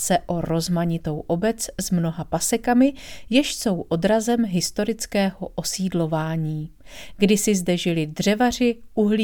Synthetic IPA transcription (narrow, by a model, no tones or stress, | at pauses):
sɛʔo̞ɾo̞zmaɲɪt̪o̞wʔo̞bɛt͡szmno̞ɦapasɛkamɪjɛʃso̞wʔo̞dɾazɛmɦɪst̪o̞ɾɪt͡skɛːɦo̞ʔo̞siːdlo̞vaːɲiːɡdɪsɪzdɛʒɪlɪdr̝ɛvar̝ɪʔuɦli